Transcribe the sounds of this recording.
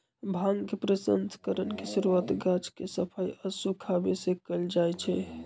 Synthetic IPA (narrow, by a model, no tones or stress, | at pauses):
bʱãŋɡkepɾəsənskəɾənkesiɾuat̪ɡat͡ʃʰkesəpʰəjəsukʰabesekəld͡ʒajt͡ʃʰɛ